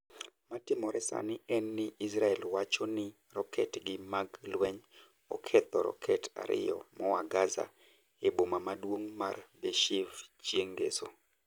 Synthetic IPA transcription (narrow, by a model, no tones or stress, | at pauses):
matɪmɔɾɛsa̰nɪɛnːɪisɾaɛlwat͡ʃɔnɪ | rɔkʰɛtɡɪmaɡlwɛɲ | ɔ̰kʰɛt̪ɔɾɔ̰kʰɛta̰ɾʔɪ̰jɔ̰mɔwaɡaza̰ | ebomamadwoŋmarbeʃɪvt͡ʃjeŋɡḛso